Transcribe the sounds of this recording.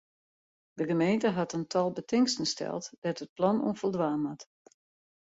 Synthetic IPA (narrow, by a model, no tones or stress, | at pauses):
dəɣəmeːntəɦɑtəntʰɑlˠbətɪŋstənstʰɛ̰lˠtd̥ɛtət̚plɑnṵnfəlˠdʋaːnat